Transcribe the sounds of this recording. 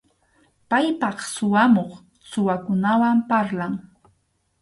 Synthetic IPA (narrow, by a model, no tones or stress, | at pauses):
pajpɑχsʊwamoχ | sʊwakʊnawampaɾlaŋ